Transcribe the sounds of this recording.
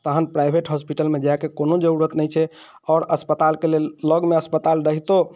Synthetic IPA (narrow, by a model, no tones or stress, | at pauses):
t̪əɦənpɾajbʱeʈɦɔspiʈəlmed͡ʒajkekonod͡ʒəɾuɾət̪nəjt͡ʃʰɛ | ɔːɾəspət̪alkelelːəɡmeəspət̪alɾəɦit̪o